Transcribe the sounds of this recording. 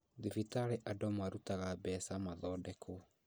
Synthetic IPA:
ðivitaɾeʔadɔmwaɾutaɣabɛsamaðɔːdɛkʰo

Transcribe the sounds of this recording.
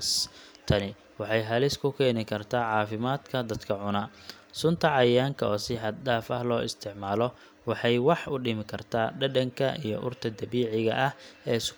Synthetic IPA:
st̪ʰɐnɪ | wɑħɑjɦɐlɪskʰʊkʰɛːnɪkʰɐrt̪ʰaːʕɑːfɪmaːd̪̥kʰɐd̪ɐd̪kʰɐʕʊnɐ | sʊnt̪ʰɐʕɑjaːŋkʰɐɔːsɪħɑd̪̚ɖaːfɐhlɔːʔɪst̪ʰɪʕmaːlɔ | wɑħɑjwɑħʊɖɪmɪkʰɐrt̪ʰaːɖɐɖɐŋkʰɐʔijɔʔʊrt̪ʰɐd̪ɐβiːʕɪɣɐʔɐhɛːs

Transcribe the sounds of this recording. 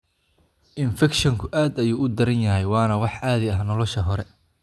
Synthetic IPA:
ʔɪnfɛkʃɐŋkʰʊʔaːd̪ɐjuːʊd̪ɐɾɐnjɐɦɛjwɑːnɐwɑħaːðɪɐɦnɔlɔʃɐɦɔɾɛ

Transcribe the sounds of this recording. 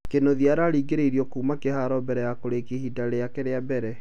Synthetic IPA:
kenoðiaɾaɾiːɡeɾeiɾiɔkuːmakehaːɾɔbɛɾɛjakoɾekihidaɾeakɛɾeabɛɾɛ

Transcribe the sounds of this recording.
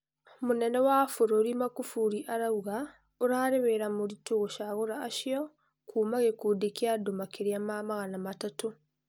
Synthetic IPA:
munɛnɛwafuɾoɾimakufuɾiʔaɾauɣa | oɾaːɾeβeɾamuɾituɣoʃaɣoɾaːʃiɔ | kʰuːmaɣekuːdekiadomakeɾiamamaɣanamatato

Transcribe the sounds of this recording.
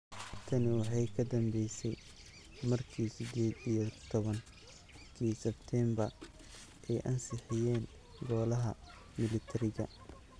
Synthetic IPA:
t̪ʰɐnɪwɑħɑjkʰɐd̪ɐmbɛjsɛj | mɐrkʰiːsɪd̪ɛːd̪ijɔt̪ʰɔβɐŋ | kʰiːsɛbt̪ʰɛmbɐr | ʔɛjʔɐnsɪħɪjɛːn | ɡɔːlɐɦɐ̰ | mɪlɪt̪ʰɐɾɪɣɐ̰

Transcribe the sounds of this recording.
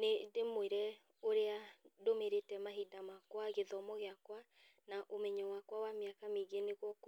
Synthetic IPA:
nedemoeɾɛ | oɾeadomeɾetɛmaɦidamakwaɣeðɔmɔɣeakwa | naʔomɛɲɛwakwawameakameɣeneɣwɔk

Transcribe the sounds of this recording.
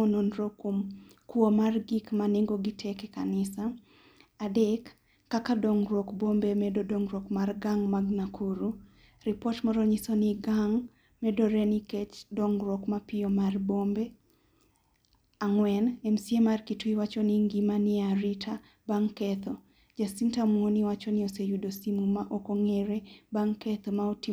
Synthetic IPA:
ononɾokom | kwomarɡikmaneŋɡoɡitʰɛkɛkanɪsa | adɛkː | akadoŋɾɔkbombemɛdodoŋɾɔkmarɡaŋmaɡnakʰuɾu | ɾɪpɔtmɔɾɔɲisoniɡaŋ | mɛdɔɾɛniket͡ʃdɔŋɾɔkmapɪɔmarbombe | aŋwɛnɛmsiemarkitwiwat͡ʃɔnɪŋɡimanɪaɾitʰa | baŋkɛt̪ʰɔ | d͡ʒasintamwonɪwat͡ʃɔnɪosejudosimumaʔokoŋɛɾebaŋkɛt̪ɔmaoti

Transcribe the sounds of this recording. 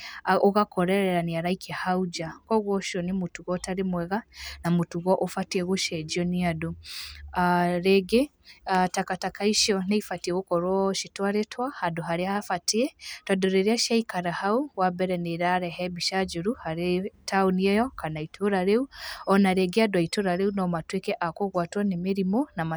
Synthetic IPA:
oɣakɔɾɛɾɛɾaniaɾaikʰiahaud͡ʒakɔɣwɔʃɔnimutuɣɔtaɾemwɛɣanamutuɣɔʔofatiɛɣoʃɛd͡ʒiɔniadoaɾɛɡe | atakatakaiʃɔneifatieɣokɔɾwɔʃitwaɾetwahaduɦaɾiafatiɛtadoɾeɾiaʃiaikaɾahauwabɛɾɛneɾaɾɛɦɛbiʃad͡ʒuɾuhaɾetʰauniɛjɔkanaitʰoɾaɾeuɔnaɾɛɡeadwaituɾaɾeunɔmatwekeʔakoɣwaːtwanemeɾimonama

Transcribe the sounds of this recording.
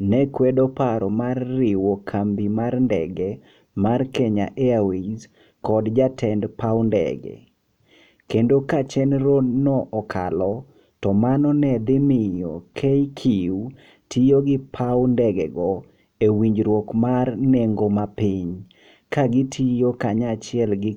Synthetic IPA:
nɛkwɛdopaɾɔmarːɪwokʰambimarndɛ̰ɡɛ | markeɲa̰ʔeawiz | kɔdd͡ʒatʰɛndpawndɛ̰ɡɛ̰ | kendokat͡ʃɛnɾodnɔʔɔkʰa̰lɔ | tɔmanɔnɛd̪ɪmɪjokʰejkʰiwu | tʰijoɡɪpʰawndɛɡɛ̰ɡɔ | ewiɲd͡ʒɾwokmarneŋɡomapɪɲ | kaɡɪtʰijokaɲat͡ʃɪɛlɡɪ

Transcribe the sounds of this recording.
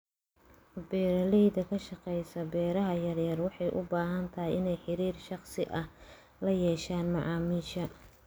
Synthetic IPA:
bɛːɾɐlɛjdɐkʰɐʃɑqɛjsɐbɛːɾɐɦɐjɐrjɐrwɑħɑjʔʊ̰baːɦɐnt̪ʰɐɦɛjɪnɛjħɪɾiːrʃɑχsɪʔɐh | lɐjɛːʃaːnmɑʕɑːmiːʃɐ

